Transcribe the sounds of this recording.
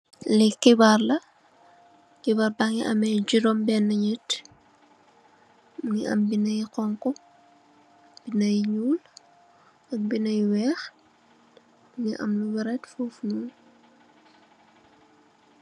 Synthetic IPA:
lɛkibarlɐ | kibaɾbaŋiʔɐmɛd͡ʒudɔmbɛnːɐɲət | ŋiʔɐ̰mbinɐjqɔŋkɔ | b̥inɐjɲuːl | ɐk̚binɐjwɛːx | ŋiʔɐ̰mluwɛɾɛtfufnuːl

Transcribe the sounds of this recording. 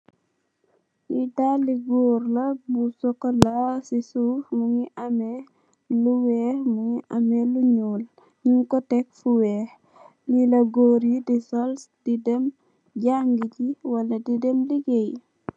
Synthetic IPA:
ʔidaliɡuɾlɐbusɔkɔlasisufmuŋiʔame | luwɛhmuŋiʔamɛluɲuːl | ɲiŋkɔtɛk̚fuwɛːh | ɲilɐɡoɾjidisɔlsd̥idɛm | ɟaŋɡiciwɐlɐdidemliɡej

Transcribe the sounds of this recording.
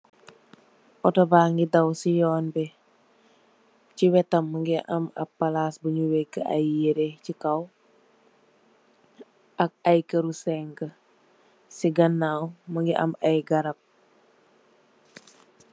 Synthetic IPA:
ʔɔtɔbaːŋɡidawsijɔːnbɛ | ciwɛtɐmːəŋɡiʔɐmɐ̰pːɐlasbuɲuwɛkːəa̰jːiɾecikaw | ɐk̚ɐjkəɾusɛŋkə | siɡɐnːawməŋɡiʔɐ̰mɐjɡaɾɐp̚

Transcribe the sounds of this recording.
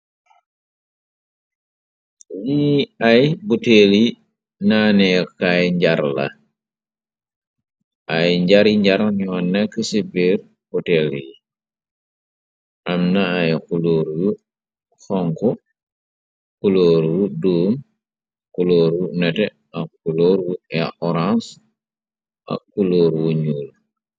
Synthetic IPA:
jiɐjbuteli | naːnɛkajɲɟaɾlɐ̰ | ʔɐjɲɟaɾiɲɟaɾɲɔnɛkːəsibeɾ | pɔtɛlji | ʔɐmnɐːjkuloːɾwu | xɔŋkɔ | kuloːɾwuduːm | kuloːɾunɛtɛ | ɐkːuloːɾwuɛa̰ʔɔɾãns | ʔɐ̰kːuloːɾwuɲuːl

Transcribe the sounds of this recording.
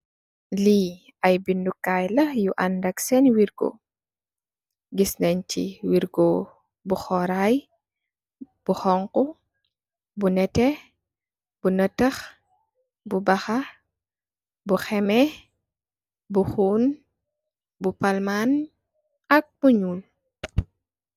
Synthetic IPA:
li | ɐjbindukːaːjlɐjuʔandɐksɛnwiɾɡɔ̰ | ɡisnɛɲcḭwiɾɡɔ | buxɔɾaj | b̥uxɔŋku | bunɛtɛ | b̥unətɐx | bubɐxɐ | buxɛmɛ | buxuːn | bupalman | ɐk̚buɲuːl

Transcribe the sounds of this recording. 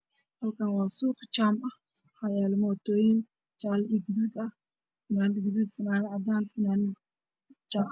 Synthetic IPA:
hɐlkʰɐnwɑːsuːqt͡ʃaːmʔɐh | hɐjaːlmɔːt̪ʰɔːjɪn | t͡ʃaːlʔɪɡd̪ud̪ɐh | fɪnaːnɪɡd̪ud̪fɐnaːnʕɑd̪aːnfɐnaːnɪ | t͡ʃaː

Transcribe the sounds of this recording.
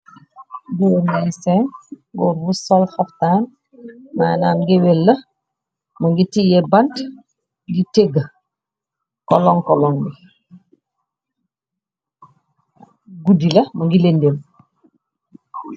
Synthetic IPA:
bunɛsɛnɡɔɾwusɔlfɐftaːn | maːnaːmɡewelːɐ | muŋɡitijebant | ɡiteɡ | kɔlɔŋkɔlɔŋbi | ɡudilɐmuŋɡilendem

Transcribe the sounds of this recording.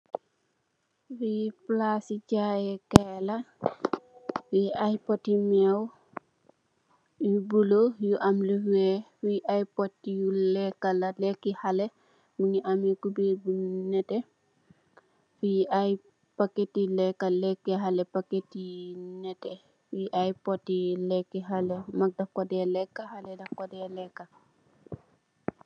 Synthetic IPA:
fiplasit͡ʃajɛkɛla | fiʔajpɔtːimɛw | jubulojuʔamlifɛfiʔajpɔtːijulɛkːalalɛkːihalɛ | muɲiʔamɛkubibunɛtɛ | fiʔaj | pakːetːilɛkːalɛkːɛɦalɛpaketːinɛtɛ | fiʔajpɔtːiulɛkːiɦalɛmɐk̚dɐkɔdɛlɛkːahalɛdɐkɔdɛlɛkːa

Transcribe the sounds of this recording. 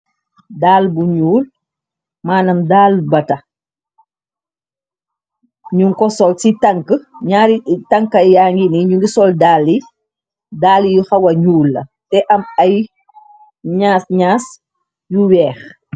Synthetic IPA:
daːlbuɲuːl | maːnɐmdaːlbɐtɐ | ɲuŋkɔsɔlsitɐŋkəɲaːɾitɐŋkɐjaːŋɡiniɲuŋɡisɔldaːlːi | daːlijuxɐwɐɲuːlːɐ̰tɛʔɐmɐj | ɲaːsɲaːs | juwɛːx

